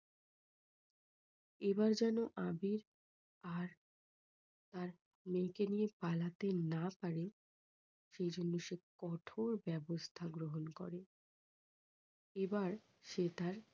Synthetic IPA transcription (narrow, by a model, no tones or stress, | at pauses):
ebaɾd͡ʑɛnoʔabiɾ | aɾ | t̪aɾ | mekenijepalat̪enapaɾe | ʃejd͡ʑonːoʃekɔʈʰoɾbɛbost̪ʰaɡɾoɦonkɔ̰ɾe | ebaɾ | ʃet̪aɾ